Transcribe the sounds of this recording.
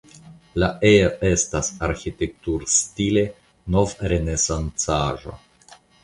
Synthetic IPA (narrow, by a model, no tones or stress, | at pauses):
laeaʔe̞stasaɾxite̞k̚tuɾstile̞ | no̞vɾe̞nesant͡saʒo̰